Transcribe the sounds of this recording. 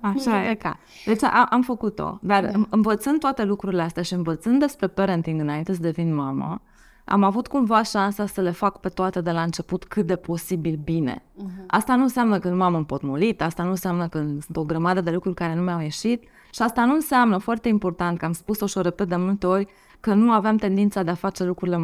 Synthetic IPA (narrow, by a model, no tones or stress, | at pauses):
aʃaka̰ | d̪et͡ʃʔaʔamfəkut̪o̰d̪arɨɨnvət̪sɨnd̪t̪oat̪e̞lukɾuɾileast̪eaʃiɨnvət̪sɨnd̪d̪e̞spɾe̞peɾənt̪iŋɡɨnaint̪e̞s̬əd̪evinmamə̰ | ʔa̰mavut̪kumvaʃansasəle̞fakpe̞t̪oat̪e̞d̪e̞laɨnt͡ʃe̞put̪kʰɨt̪̚d̪e̞po̞sibilbine̞̰ʔast̪anunseamnəkəɨnmaməmpo̞t̪mulit̪ast̪anunseamnəkəsɨnt̪o̞ɡɾəmad̪əd̪e̞lukɾurʲkaɾe̞numeawje̞ʃit̪ | ʃiast̪anuɨnseamnəfoart̪e̞impo̞rt̪ant̪̚kəamspusoʃore̞pet̪̚d̪e̞mult̪e̞o̞rʲ | kənuaveamt̪e̞nd̪int̪sad̪e̞afat͡ʃe̞lukɾuɾile